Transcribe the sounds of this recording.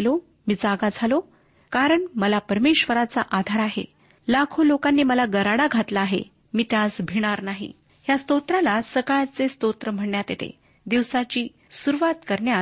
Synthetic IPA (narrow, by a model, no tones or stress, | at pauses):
lo | miːd͡zaɡad͡zʱalo | kaɾəɳməlapəɾmeɕʋəɾat͡saʔad̪ʱaɾaɦḛ | lakʰolokanːiːməlaɡəɾaɽaɡʱat̪laːɦḛ | miːt̪jasbʱiɽ̃aɾnaɦḭ | ɦjast̪ot̪ɾalasəkaɭat͡sest̪ot̪ɾəm̤əɳjat̪jet̪ḛ | d̪iʋsat͡ɕiː | suɾuʋat̪kəɾɳja